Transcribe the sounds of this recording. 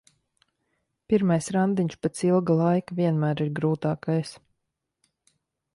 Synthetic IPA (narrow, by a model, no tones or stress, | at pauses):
piɾmajsɾand̪iɲʃpɛt̪silˠɡalˠajkavʲiɛnmæːɾiɾɡɾuːt̪aːkajs